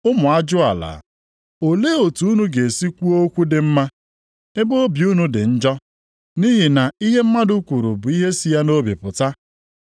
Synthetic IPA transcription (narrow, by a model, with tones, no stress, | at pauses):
ʊ˦mʊ˨a˦d͡ʒʊ˦a̰˨la̰˨ | o˨le˦o˨tu˨˦u˦nu˦ɡe˨si˦kʷu˦o˦kʷu˦dɪ˨m̩˦ma˦ | e˦bo˦o˦bju˦nu˦dɪ˨n̩˦d͡ʒɔ˦ | ni˦ɦi˨na˨i˦ɦe˦m̩˦ma˦dʊ˦kʷu˨ɾu˨bʊ˨i˦ɦe˦si˦ja˦no˦bḭ˨pʊ˨ta˦